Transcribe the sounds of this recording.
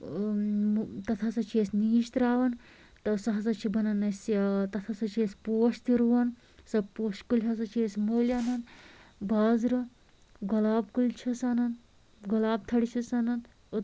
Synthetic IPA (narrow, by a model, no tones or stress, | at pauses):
t̪ɐt̪ʰasɐt͡ʃʰiesniːʃt̪ɾaːʋɐn | t̪ɐsɐɦɐsɐt͡ʃʰibʱɐnɐnɐsat̪ɐt̪ʰasɐt͡ʃʰesʲpoːʂt̪iɾuʋɐn | sɐpoːʃkulʲɦɐs̬ɐt͡ʃʰiesmoːlʲaːnɐnbaːzɾɐ | ɡɐlaːbkult͡ʃʰisaːnɐn | ɡɔlaːb̚t̪ʰɐɽit͡ʃʰisɐnɐn